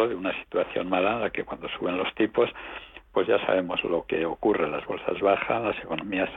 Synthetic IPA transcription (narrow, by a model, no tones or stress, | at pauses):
oðeunasi̥t̪waθjo̞̰nmalaenlake̞kwand̪o̞suβ̞e̞nlo̞st̪ipo̞spwezʝasa̰β̞e̞mo̞zlo̞ke̞o̞kure̞lazβo̞lsa̰zβaxa̰nlase̞ko̞nõmias